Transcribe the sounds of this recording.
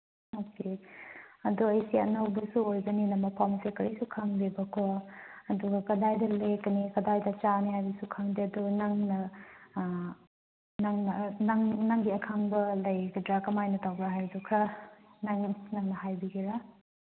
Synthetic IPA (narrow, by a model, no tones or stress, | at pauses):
oke | ɐduɐjsiɐ̰nɐwbɐsuojbɐninɐmɐpʰawmsekɐɾisukʰaŋbibɐkʰoɐduɡɐkɐdajdɐlekɐnikɐdajdɐt͡ʃaniɦajbɐsukʰaŋdiɐdunaŋnɐ | naŋnɐnaŋnaŋɡiɐkʰaŋbɐlɐjɡidɾakɐmajnɐtawbɾaɦajdukʰɐnaŋnaŋnɐɦajbiɡeɾa